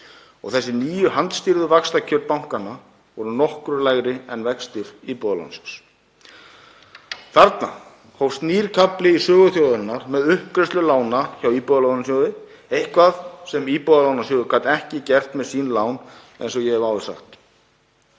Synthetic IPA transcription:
ɔ̰ɣθɛsːɪniːjʏhant̪st̪ɪɾðʏvakst̪acʰœɾt̪̚pawŋ̥kana | vɔɾʏnɔhkɾʏɾlajɣɾɪɛnvɛkst̪ɪɾ̥iːpɔðala̰wnsɛ̥ks | θaɾt̪na̰ | howst̪niːɾ̥kʰaplɪisœːɣʏθjoːwðanːaɾ̥mɛðʏhpkɾɛst̪ʏlaːwnaçawiːpɔðalawnasjowðɪ | ejhkvaðsɛmipɔðalawnasjɔːwðʏkʰvaːt̪ɛhcɪcɛr̥t̪mɛðsiːnlaːwn | ḛjnsɔjɛhɛvaːwvɪ̥sa̰xt̪

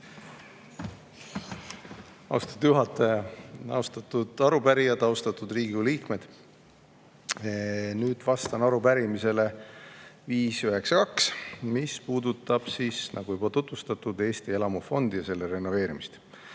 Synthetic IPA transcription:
ɑ̰wst̪ɑ̥d̪juɦɑt̪ːˑɑjɑɑ̰wst̪ɑt̪ːud̪̥ɑɾubæɾijɑd̪ɑwst̪ɑt̪ːud̪riːɡuliːkme̞d̪̥ | nyːd̪̥vɑst̪ɑnɑɾupæɾimise̞le̞ | viːsyɦe̞ksɑkɑksmispuːd̪ut̪ːˑɑb̥sisnɑ̰ɡ̥uvibolɑt̪ut̪vust̪ɑt̪ˑud̪e̞ːst̪ie̞lɑmufo̞nd̪ijɑse̞lːeɾe̞nːo̞ve̞ːɾimist̪

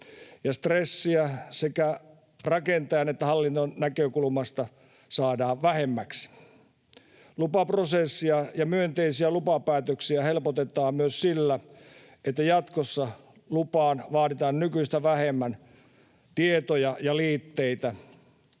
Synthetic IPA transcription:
jɑst̪resːiæsekæ | rɑkent̪ɑjɑnet̪ːæhɑlːint̪onnækøkulmɑst̪ɑ | sɑːdɑːʋʋæhemːæks | lupɑprosesːiɑjɑmyønt̪eisiælupɑpæːt̪øksiæhelpot̪et̪ˑɑːmmyøssilːæ | et̪ːæjɑt̪kosːɑ | lupɑːnʋɑːtit̪ɑːnnykyist̪æʋæhemːæn | t̪iet̪ojɑjɑliːt̪ːeit̪æ

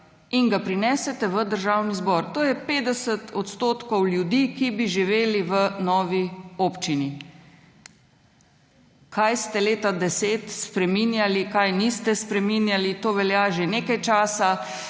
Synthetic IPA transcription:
iŋɡapɾinɛːsɛt̪ɛʋəd̪əɾʒaːwnizbɔːɾt̪oːjɛpeːd̪ɛsət̪ʰɔt̪st̪oːt̪kɔwljud̪ikibiʒiʋeːliʋənɔːʋioːpt͡ʃini | kʰajst̪ɛleːt̪ad̪ɛseːt̪spɾɛminjalikajnist̪ɛspɾɛmiːnjalit̪oːʋɛljaːʒeneːkajt͡ʃaːsa

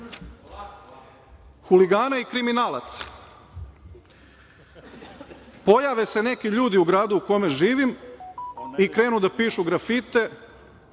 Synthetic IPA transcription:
xuliɡaːnaikɾiminaːla̰t̪sḁ | po̞jaʋese̞ne̞kiʎuːd̪iuɡɾaːd̪uuko̞me̞ʒiːʋim | ikɾe̞ːnud̪apiːʃuɡɾafit̪e̞

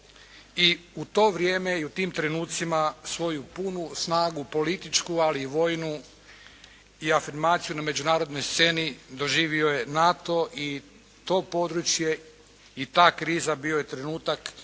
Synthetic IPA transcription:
iut̪o̞ːʋɾʲje̞ːme̞iut̪iːmt̪ɾe̞nuːt̪t̪simasʋo̞jupunusnaːɡupo̞lit̪it͡ʃkualiːʋo̞ːjnu | iafiɾmaːt̪sijuname̞d͡ʑunaːɾo̞d̪no̞jst̪se̞nid̪o̞ʒiːʋio̞je̞nat̪o̞ʔi | t̪o̞ːpo̞d̪ɾut͡ʃje̞ | it̪aːkɾiːzabio̞je̞t̪ɾe̞nuːt̪ak

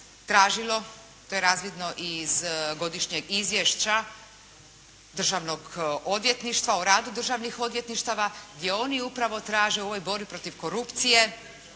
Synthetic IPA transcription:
t̪ɾaːʒilˠo̞ | t̪ojeɾaːzʋid̪no̞ʔizɡo̞d̪iʃɲeɡizʋjeʃt͡ɕa | d̪r̩ʒaʋnoɡo̞d̪ʋje̞t̪niʃt̪ʋauɾaːd̪ud̪r̩ʒaʋnixo̞d̪ʋje̞t̪niʃt̪aʋaɡd̪je̞o̞niupɾaʋo̞t̪ɾaːʒeo̞ʋojbo̞ɾbipɾo̞t̪iʋko̞ɾupt̪sije̞

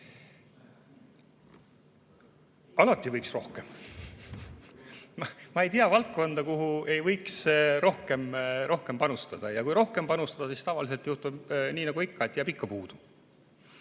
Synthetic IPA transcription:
ɑlɑt̪ːˑivɤjksro̞hke̞m | mɑe̞jt̪iɑvɑlt̪̚ko̞nd̪̥ɑkuɦue̞jvɤjksɾo̞hke̞mɾʔo̞hke̞mpɑnust̪ɑd̪̥ɑjɑkujɾo̞hke̞mpɑnust̪ɑd̪̥ɑsist̪ɑvɑlis̬e̞lt̪juht̪ubniːnɑɡuikˑːɑet̪ːɑpikːɑpuːd̪̥u̥

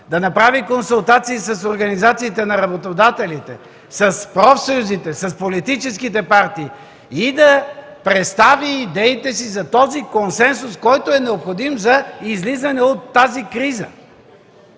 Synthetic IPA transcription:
d̪ɐnɐpɾavikonsʊlˠt̪at̪siːsɐsoɾɡɐnizat̪siːt̪ɛnɐɾɐbot̪od̪at̪ɛlit̪ɛ̰ | sɐspɾɔfsojuzit̪ɛsɐspolit̪it͡ʃɛskit̪ɛpaɾt̪iː | id̪ɐ | pɾɛt̪st̪aviːd̪ɛit̪ɛsizɐt̪ɔzikonsɛnsʊskɔjt̪oɛnɛopxod̪imzɐizlizɐnɛot̪ːazikɾizə̰

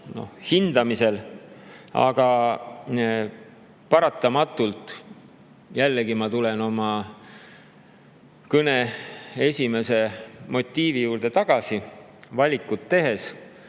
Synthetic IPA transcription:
no̞̰hhind̪ɑmise̞l | ɑ̰ɡ̥ɑ | pɑɾɑt̪ːˑɑmɑt̪ːˑult̪ˑ | jælːeɡimɑt̪ule̞no̞mɑ | kɤne̞e̞sʲime̞se̞mo̞t̪ʲːˑiːvijuːɾd̪e̞t̪ɑɡ̥ɑsi | vɑlʲikːˑut̪ːe̞ɦe̞s

